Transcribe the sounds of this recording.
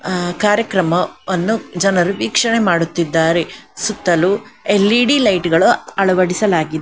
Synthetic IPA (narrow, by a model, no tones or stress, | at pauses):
kaːɾjɐkɾɐmɐʋɐnːud͡ʒɐnɐɾuʋiːkʂɐɳemaːɽut̪ːid̪ːaːɾesut̪ːɐluelːiɖilɐjʈɡɐɭuɐɭɐʋɐɽisɐlaːɡid̪e